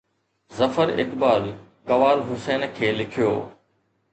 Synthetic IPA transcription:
zɐfəɾɪ̰kbaːɾ | kɐʋaːlɦʊsɛːnkʰeːlɪkʰijo̰ː

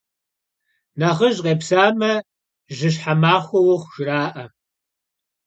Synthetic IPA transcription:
nɐʁəʑqeːpsaːmɐ | ʒɪɕ̬ħamaːχʷɔwʊχʷʊʒ̥ɪraːʔɐ

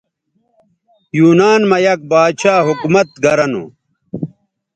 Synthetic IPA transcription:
juːnaːnmɐjɐk̚baːd̪ɕaːɦukumɐt̪̚ɡɐɾɐnṵ

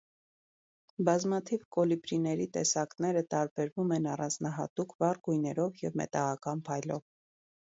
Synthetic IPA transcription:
bɑzmɑt̪ʰivkɔlibɾinɛɾit̪ɛsɑknɛɾət̪ɑɾbɛɾvumɛnɑrɑnd͡znɑɦɑ̰t̪ukʰvɑrɡujnɛɾɔvjɛvmɛ̰t̪ɑʁɑkɑnpʰɑjlɔv

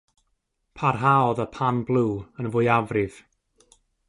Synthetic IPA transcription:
pʰarɦaɔðəpʰanblˠuːənvʊjavrɪv̥

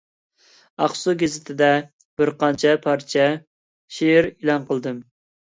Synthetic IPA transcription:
ɑχsuɡʲezɪt̪ʰɪd̪ɛ | b̥ɪɾqɑnt͡ʃʰɛpʰɑɾt͡ʃʰɛ | ʃeɾilˠɑnqəlˠd̪ɨm

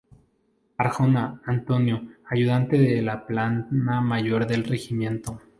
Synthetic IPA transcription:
aɾxonaːnt̪o̞njo̞aʝuð̞ant̪e̞ðelaplanamaʝo̞ɾðe̞lre̞ximjẽ̞nt̪o̞

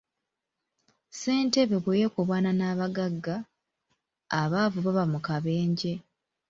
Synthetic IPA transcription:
se̞ːnteβeβwejekoβwaːnanaːβaɡaɡːa | βaːvuβaβamukaβe̞ːɲɟe̞

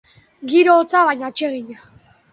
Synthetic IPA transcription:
ɡiɾoːt͡saβajɲat͡ʃeɣiɲa

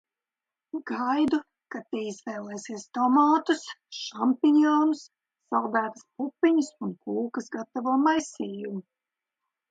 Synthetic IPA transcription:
ɡajd̪u | kat̪iizvɛːlˠɛːsiɛst̪ɔmaːt̪usʃampinɔːnsː | alˠd̪æːt̪ɨ̥spupːiɲɨsunkuːkɐsɡat̪avuɔmajsʲiːjumu

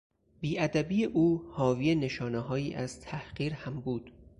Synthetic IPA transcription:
biːʔæd̪æbiːjeʔuːhɒːviːene̞ʃɒːneɦɒːjiːʔæz̥t̪ʰæhɢiːɾhæmbuːd̪̥

